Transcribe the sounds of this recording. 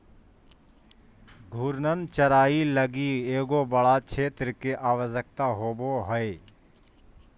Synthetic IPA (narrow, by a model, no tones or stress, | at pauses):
ɡʱuɾnənt͡ʃəɾaːiləɡieːɡoːbəɽat͡ʃʰeːt̪ɾəkeʔaːʋəzək̚t̪aɦoːboɦəe